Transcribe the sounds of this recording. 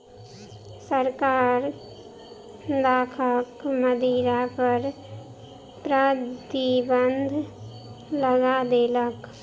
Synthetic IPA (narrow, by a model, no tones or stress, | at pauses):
səɾkaːɾ | d̪aːkʰəkməd̪ʱiːɾapəɾ | pɾət̪ibənd̪ʱ | ləɡad̪eːlək